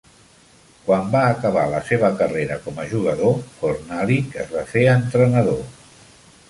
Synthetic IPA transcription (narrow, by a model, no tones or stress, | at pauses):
kwambaːkəβ̞a̰ləseβəkəreɾəkɔməʒuɣ̞əðokornalikəzβafeənt̪ɾənəðo